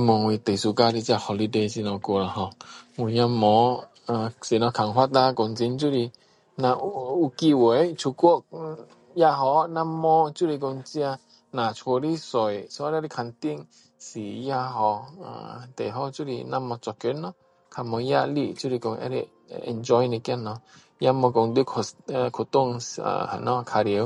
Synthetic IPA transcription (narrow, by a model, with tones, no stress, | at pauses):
mɔ˨ŋwi˧t̪e˨˩jsu˧˨ka˧ɾi˧t͡ɕi˧a˧hɔ˧li˧de˧˨si˧˨nɔ̃˧ko˧˨la˨˧ɦɔ˧ŋu˧˨ja˧mɔ˨˧˦ | a˨si˨nɔ˧kʰa˨ŋɦwa˦t̪a˧kɔ˧ŋt͡si˧˦nt͡ɕu˦ɾi˧ | na˧u˧ki˧we˨˦jt͡sʰu˧ku˦ə˨ʔ̚ | ja˧ɦɔ˧˦na˦˧˦mːɔ˧˦t͡ɕu˦ɾi˧k̬o˧ŋt͡si˧a˧ | na˨t͡ʃʰo˧ɾi˦so˨jso˧a˧˦ɾɾi˧kʰa˧˨nt̪i˧˨ŋ | si˨ja˧hɔ˧ʔa̰˨t̪ḛ˨ɦɔ˦t͡ʃu˦ɾḭ˧na˧mɔ˧t͡sɔ˧˨kø˧˦nːɔ˦ | kʰa˧˨mɔ˧ja˧ʔli˧ʔt͡ʃu˦ɾi˧ko˧ŋʔɛ̰˧˦ɾi˧ | ɛ̰˧nd͡ʒɔ˧jni˧ka˦˧nɔ˧ | ja˧mɔ˧ko˧ŋd̪u˧˦kʰkʰo˨t̪u˧˨ŋ̰˧˨a̰˨nɔ˧kʰa˧ɾə˨˧˦w